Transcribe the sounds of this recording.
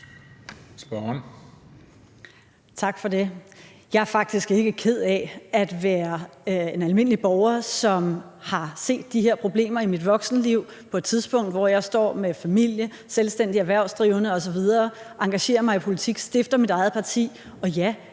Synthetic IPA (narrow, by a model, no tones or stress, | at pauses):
sb̥ɒn | t͡sʰɑ̈ɡ̥fɒ̽de̝ | jɑ̈ɪæɐfɑ̈ɡ̥̚d̥isɡ̥e̝ɡ̥əkʰe̝ð̞̰ˠɛæd̥ʋæːɐe̝nælme̝n̰əlib̥ɒʊɐsɒ̽mhɑ̈se̝̰ːd̥ːiɦe̝ɐ̰pʰʁo̝b̥le̝̰ːmɐimid̥ʋɒ̽ɡ̥snəliʊ̰ | pʰɒ̽e̝d̥t͡sʰiðˠsb̥ɔ̽ŋ̰d̥ʋɒjɑ̈ɪsd̥ɒ̰ːmefæmil̰jə | selsd̥en̰d̥iæʋæɐʊ̰sd̥ʁiʊənəɒ̽sɒ̽ʋið̞ˠɐː | ʔɑ̈ŋɡ̥æɕe̝̰ːɐmɑ̈ɪipʰo̝lit͡sʰiɡ̥sd̥e̝fd̥ɐmidɑ̈ɪð̩ˠpʰɑ̈t͡sʰḭː | ɒ̽jæ